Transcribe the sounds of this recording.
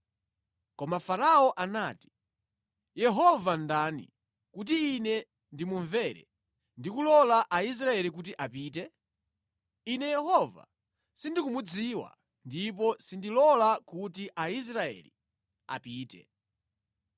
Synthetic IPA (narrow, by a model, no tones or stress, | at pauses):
kɔmafaɾaɔʔanaːti̥ | jɛɦɔvandanḭ | kut̬iːnɛ | ndimuɱvɛɾɛ̰ | ndikulɔlaʔais̬ɾaɛlik̬ut̬iʔapiːtɛ | inɛjɛhɔva̰ | sindikumud͡ziːwa̰ | ndip̬ɔsindilɔlakut̬iʔais̬ɾaɛ̰lḭ | a̰piːtɛ̰